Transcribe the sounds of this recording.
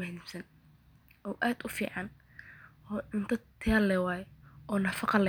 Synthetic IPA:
ɐhnɪmsɐn | ʔɔwʔaːd̪ʊfḭːʕɑn | ɔːɪnt̪ʰɐt̪ʰɪjɐːlɛwɑːjɛɔːnɐfɑqɑlɛ

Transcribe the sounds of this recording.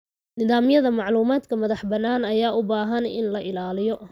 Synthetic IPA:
nɪðaːmjɐðɐmɑʕluːmaːd̪kʰɐmɐðɑħbɐnːaːnɐjaːʔʊbaːɦɐnɪ̰nlɐʔɪlaːlɪjɔ

